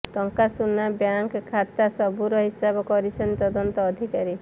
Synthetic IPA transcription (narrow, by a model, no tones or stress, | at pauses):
ʈɔŋkasunabjaŋkʰːat̪asɔbuɾɔɦisabɔkɔɾit͡ʃʰɔnt̪ɔd̪ɔnt̪ɔːd̪ʱikaɾi